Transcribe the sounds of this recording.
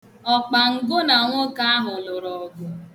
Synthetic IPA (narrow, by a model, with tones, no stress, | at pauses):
ɔ˨k͡pa˨ŋ̩˨ɡʊ˦na˨ŋʷʊ˦ka˦a˦ɦʊ˨lʊ˨ɾɔ˨ɡʊ˦